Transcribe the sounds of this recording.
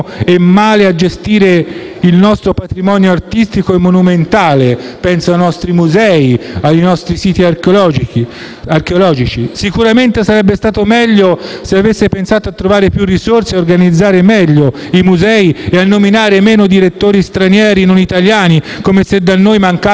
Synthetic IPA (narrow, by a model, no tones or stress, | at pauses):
emːaːlead͡ʒest̪iːɾe | ilnɔst̪ɾopat̪ɾimɔnjoart̪ist̪ikoemːonument̪aːlepɛnsajnɔst̪ɾimuzɛːiajnɔst̪ɾisiːt̪iaklɔd͡ʒii | arkeolɔːd͡ʒit͡ʃisikuɾament̪esaɾɛbːest̪aːt̪omɛʎːoseavesːepensaːt̪oat̪ːɾovaːɾepjurːisorseorɡanid̪zːaːɾemɛʎːo | imuzɛːieanːominaːɾemeːnod̪iɾet̪ːoːɾist̪ɾanjɛːɾinonit̪aljaːnikomesed̪anːoːjmaŋka